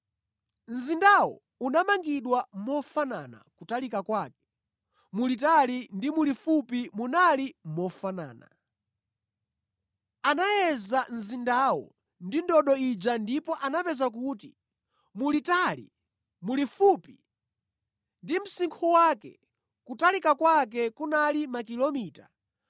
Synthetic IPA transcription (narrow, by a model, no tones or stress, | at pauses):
n̩zindawɔ̰ | unamaŋɡiɗwam̩mɔfanana̰kutalikakwaːkɛ̥ | mulitalindimulifupimunalim̩mɔfana̰ːna̰ | anajɛzanzindaːwɔ̰ | ndindɔɗɔid͡ʒandipɔʔanapɛzak̬uːti | mulitaːlḭ | mulifupi | ndim̩siŋkʰuwaːkɛ̰ | kutalikakwak̬ɛkunalimakilɔmiːta